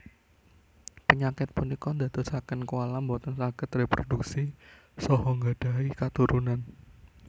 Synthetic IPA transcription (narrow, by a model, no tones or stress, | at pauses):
pəɲakɪt̪̚punikɔnd̪a̤d̪osakənkuwalambot̪ɔnsakət̪repɾoduksi | sɔɦɔŋɡaɖ̥aikat̪uɾunan